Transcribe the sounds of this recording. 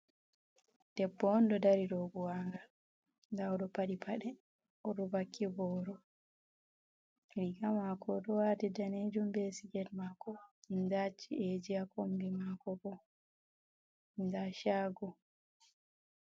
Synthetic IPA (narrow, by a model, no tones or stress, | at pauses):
d̥ɛbːɔndɔdaɾiɾobuwaŋɡa | dawɔɗɔpaɗipʰaɗɛ | ɔɗubakʰːibɔːɾɔ | liɡamakɔɗɔwatidaned͡ʒumbesiɡɛdmakɔindat͡ʃːied͡ʒiakombimakɔbɔ | ndaʃaːɡɔ